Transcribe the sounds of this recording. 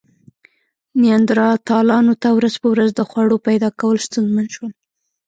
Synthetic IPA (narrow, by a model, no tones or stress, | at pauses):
nijɑnd̪ɾɑt̪ɑlɑnot̪awɾazpəwɾazd̪əxwaɽopajd̪ɑkawəlst̪unzmanʃwəl